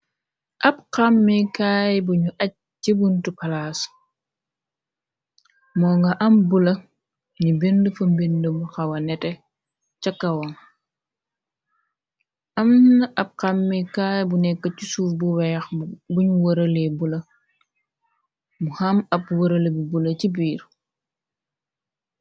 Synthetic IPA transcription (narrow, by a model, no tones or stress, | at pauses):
ʔɐb̚qamːikaːjbuɲuʔɐc̚ | d͡ʒibuntupɐlaːs | mɔːŋɡɐʔɐmbulɐ | ɲibendufɐmbindumxɐwɐnɛtɛ | t͡ʃɐkːɐwɐn | ɐmnnɐʔɐb̚kamːikaːjbunɛkːəcusuːfbuwɛːxbuɲuwəɾɐlebulɐ | muhamɐb̚wɐɾəlɐbibulɐcibiːɾ